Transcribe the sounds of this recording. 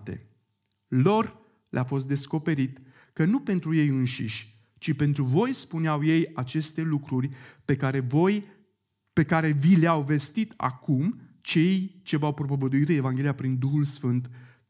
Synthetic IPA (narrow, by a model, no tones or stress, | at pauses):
t̪ḛ | lo̞r | lḛʔafo̞s̬t̪d̪e̞sko̞pe̞ɾit̪ | kənupe̞nt̪ɾuje̞jɨnʃḭʃʲ | t͡ʃipe̞nt̪ɾuvo̞jspuneawje̞jat͡ʃe̞st̪e̞lukɾurʲpe̞kaɾevoj | pe̞kaɾe̞vileawve̞st̪it̪ʰa̰kumt͡ʃe̞jt͡ʃe̞vawpɾo̞povəd̪uit̪ɨe̞vaŋɡʲe̞lijapɾind̪uxulsfɨnt̪